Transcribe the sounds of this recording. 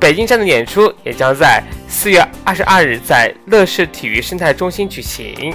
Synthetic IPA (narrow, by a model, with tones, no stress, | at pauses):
pe˨˩ɪt͡ɕi˥ŋʂa˥˩nd̪ə˩jɛ˨˩nʈ͡ʂʰu˥jɛ˨˩t͡ɕjɑ˥ŋt͡sa˥˧ɪsɹ̩˥˧ɥɛ˥˧ɐ˥˩ʂɻ̩˧˥ʔɐ˥˧ɻ̩˥˧t͡sa˥˧ɪlɤ˥˧ʂɻ̩˥˩t̪ʰi˨˩y˧˥ʂə˥ŋt̪ʰa˥˩ɪʈ͡ʂʊ˥ŋɕi˥nt͡ɕy˨˩ɕḭ˧˥ŋ